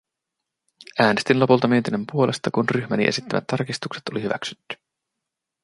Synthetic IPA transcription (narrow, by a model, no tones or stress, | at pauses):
æːne̞st̪inlo̞pult̪ɑmiet̪inempuo̞le̞st̪ɑkunryçmæniʔe̞sit̪ːæmæ̰t̪ːɑrkist̪ukset̪o̞lihyʋæ̰ksy̥t̪ːy̥